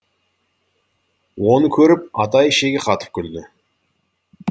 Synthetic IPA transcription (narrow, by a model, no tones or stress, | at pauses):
wo̞nəkʲʰɵɾɪp̚ɑt̪ɑjʃeɡʲeqʰɑt̪ə̥p̚kʲʰʏld̪ɪ